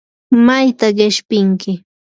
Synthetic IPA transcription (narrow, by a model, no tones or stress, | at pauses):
majt̪aɢɪʃpɪŋkɪ